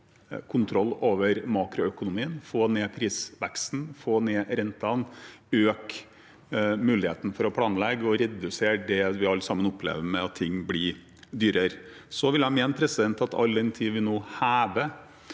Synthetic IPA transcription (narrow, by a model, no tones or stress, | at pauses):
kʰʊnt̪ʰɾɔlːoːʋəɾmɑːkɾʊœkʊnʊmiːənfoːneːpʰɾiːsʋækst̪n̩foːneːɾɛnt̪ɑnøːk | mʉːlɪheːt̪n̩fɔɾɔpʰlɑːnlɛɡːɔɾɛd̪ʉseːɖɛʋɪɑlːsɑmənɔplḛːʋəmɛɑt̪ʰːɪŋːblɪ | d̪yːɾəɾ | sɔʋɪlæmeːnəpʰɾɛsɪd̪ɛnt̪ɑt̪ʰɑ̰ld̪ɛnt̪ʰiːʋɪnoːhæːʋə